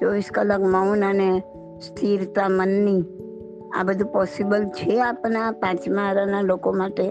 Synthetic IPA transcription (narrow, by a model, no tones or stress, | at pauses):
t͡ʃɔʋiskələkməunəne | st̪ʰiɾt̪amənːi | a̰bəd̪ʱũpɔsibəlt͡ʃʰeapnapãt͡ʃmãɾanalokomaʈe